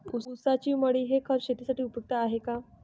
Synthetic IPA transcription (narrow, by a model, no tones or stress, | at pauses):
uusat͡ɕiːməɽiːɦekʰəɾɕet̪isaʈiːupjək̚t̪aːɦeka